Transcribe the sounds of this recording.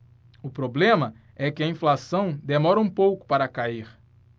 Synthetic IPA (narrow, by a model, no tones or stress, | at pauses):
ʊpɾoblẽmɐ | ɛkɪɐĩflasɐ̃w̃d̪emɔɾɐũpowkʊ̥paɾɐkaiɾ